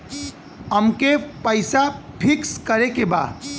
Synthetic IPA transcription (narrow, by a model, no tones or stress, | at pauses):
əmkepəɪsapʰikskəɾekeba̰